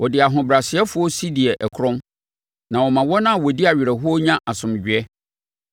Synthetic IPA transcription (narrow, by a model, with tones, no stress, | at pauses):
wʔɔ˨dɪ˨a˨ɦʊ̃˨bɾa˨sɪ˨ɛ˦fʊ˨˦ɔ˦si˦di˨ɛ˨ʔɛ˨kʰʊ˦ɾɔ̃˦m | nã˨wɔ˨mã˨wɔ˦nã˦˨wɔ˨di˦a˨ɥɪ˨ɾɛ˨ɦʊ˦ɔ˦ɲã˦ʔa˨sʊ̃˨m˨d͡ʑᶣɪ˨ɛ˦